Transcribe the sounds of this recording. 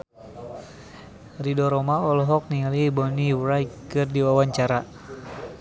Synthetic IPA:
ridɔɾɔmaɔlɔɦɔk̚niŋalibɔniwɾajkɨrdiwawaɲt͡ʃaɾa

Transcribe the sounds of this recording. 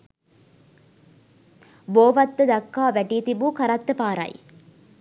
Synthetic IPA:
boːʋɐt̪ːɨd̪ɐkːaːʋɛʈit̪ibukɐɾɐt̪ːɨpaːɾɐ̰j

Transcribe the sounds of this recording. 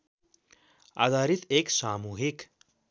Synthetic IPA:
a̰d̪aːɾit̪eːksaːmuːɦik

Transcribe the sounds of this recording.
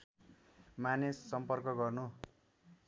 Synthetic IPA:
manesːʌmpʌrkʌɡʌrnu

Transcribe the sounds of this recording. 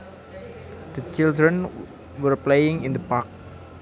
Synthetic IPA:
d̪̥ət͡ʃɪldɹə̃n | wəɹplejɪ̃ŋɪnd̪əpak̚

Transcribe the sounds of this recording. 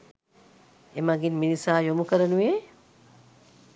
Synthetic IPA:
emaɡinminisaːjomukəɾənuʋeː

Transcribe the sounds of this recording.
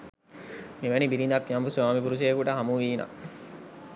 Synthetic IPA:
meʋænibiɾind̪ɐkːjambusuʋaːmip̬uɾuseekuʈəɦamuʋiːna̰

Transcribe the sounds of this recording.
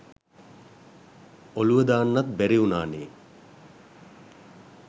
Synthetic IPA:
oluʋəd̪aːnːat̪bæɾiunaːneː

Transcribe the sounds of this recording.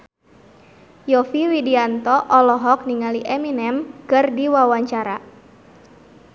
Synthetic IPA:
jɔfiwidiant̪ɔʔɔlɔɦɔk̚niŋaliʔɛminɛmkərdiwawaɲt͡ʃaɾa

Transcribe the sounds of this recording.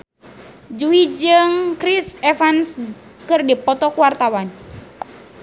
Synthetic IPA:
d͡ʒuid͡ʒɨŋkɾisɛfanskɨrdipɔt̪ɔkuwart̪awan

